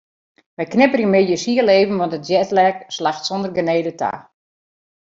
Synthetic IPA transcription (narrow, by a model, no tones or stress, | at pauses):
ʋɛjknɪpərjəmɪjəsiəleːvən̩ʋɔntətd͡ʒjɛtlɛkslaxtsɔndərɡəneːdətʰa̰ː